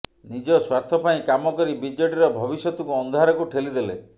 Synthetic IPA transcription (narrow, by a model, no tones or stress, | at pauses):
nid͡ʒɔswaɾt̪ʰɔpaĩkamɔkɔɾibid͡ʒɔʈiɾɔbʱɔbisjɔt̪ukuɔnd̪ʱɦaɾɔkuʈʰelid̪ele